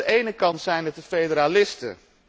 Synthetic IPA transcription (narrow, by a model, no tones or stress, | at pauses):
əʔejnəkɑntsɛjnətəfejdəɾalɪstə̰